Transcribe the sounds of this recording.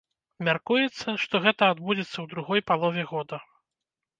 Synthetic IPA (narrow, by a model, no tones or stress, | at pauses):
mʲarkujɛt̪sːɐʂt̪ɔɣɛt̪ɐad̪bud͡zʲɛt̪sːɐwd̪ɾuɣɔjpalˠɔvʲɛɣɔd̪ɐ